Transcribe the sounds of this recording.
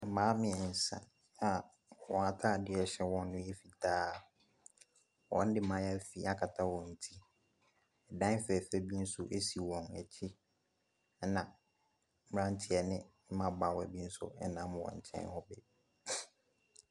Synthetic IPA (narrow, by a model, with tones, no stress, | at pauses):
mãː˨˦mɪ̃˨ɛ˨n̩˨sã̰˨ | a˨ | ɔ̰̃˨a˨tʰa˦˨dɪ˦ɛ˨ɕɛ˦wɔ̃˦nː˦ʊ̃˦ɛ˦fi˨tʰaː˦ | wʔɔ̰̃˦n̩˦dɪ˦mã˨˦ja˦fi˦a˨kʰa˨tʰa˦wɔ̃˨n̩˨tʰi˦ | ɛ˨dã˦n˦fɛ˨fɛ˦bi˦n̩˦sʊ˦ʔe˦si˨wɔ̃˨nɛ̰˨t͡ɕʰi˦ | nã˨ | m˦ɾã˦n˦tʰɪ˦ɛ˨nɪ̃˦m̩˦mã˦ba˨wɔ˨æ̰˨bi˦n̩˦sʊ̰˦ɛ˦nã˦mwɔ̰̃˨ɲ̩˨t͡ɕʰɛ̰̃˦nhɔ˦bɛ˨